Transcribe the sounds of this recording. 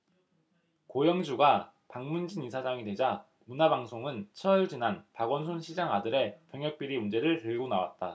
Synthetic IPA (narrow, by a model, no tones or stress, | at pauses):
kojʌŋd͡ʑuɡa | paŋmund͡ʑinisʰad͡ʑaŋidwe̞d͡ʑa | munabaŋsʰoŋɯnt͡ɕʰʌiɭd͡ʑinanpaɡwʌns̬ʰonɕʰid͡ʑaŋadɯɾe̞pjʌŋjʌk̚p͈iɾimund͡ʑe̞ɾɯɭtɯɭɡonawa̰t̚t͈a